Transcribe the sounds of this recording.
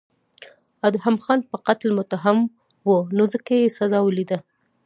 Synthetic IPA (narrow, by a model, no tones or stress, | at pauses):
ad̪ʊɦamxɑnpəqat̪lmʊt̪aɦam | wənozəkajesazɑwəlid̪a